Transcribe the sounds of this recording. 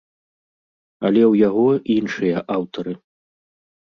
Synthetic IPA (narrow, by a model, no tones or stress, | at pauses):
ɐlʲɛwjaɣɔinʂɨjɐʔawt̪ɐɾɨ